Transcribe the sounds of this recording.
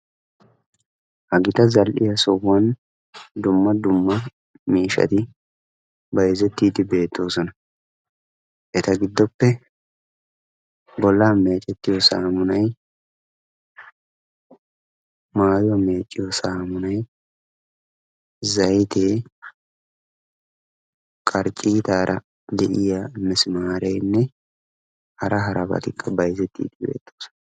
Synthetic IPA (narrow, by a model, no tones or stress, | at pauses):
hɐɡɪt̪ɐzɐlʔɪjɐsɔwːɐn | d̪ʊmːɐd̪ʊmːɐ | miːʃɐ̰t̪ɪ | bɐjɛzɛt̪ːiːd̪ɪbe̞ːt̪ʰːo̞ːsɔnɐ | ʔɛt̪ɐɡɪd̪ːɔpːɛ | bɔlːaːmeːt͡ʃʼɛt̪ːɪjɔsaːmʊnɐj | maːjɔme̞ːt͡ʃʼːɪjɔsaːmʊnɐj | zɐjt̪eː | kʼɐɾt͡ʃʼiːt̪aːɾʔɐ | d̪ɛʔɪjaːmːɛsɪmaːɾɛjnːɛ | hɐɾɐɦɐɾɐbɐ̰t̪ɪkʼːɐbɐjzɛt̪ːḭːt̪ɪwḛːt̪ːoːs